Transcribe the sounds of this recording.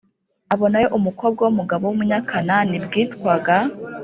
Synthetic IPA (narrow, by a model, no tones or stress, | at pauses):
aβo̞najoʔumuko̞b̚ɡwawumuɡaβowumuɲakʰananibɡiːtkwaɡa